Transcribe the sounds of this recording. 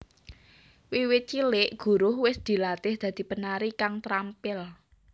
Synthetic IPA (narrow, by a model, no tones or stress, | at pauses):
wiwɪt̪̚t͡ʃilɪʔɡ̥ṳɾʊhwɪsd̪̥i̤lat̪ɪhd̪̥ä̤d̪̥i̤pənaɾikaŋt̪ɾampɪl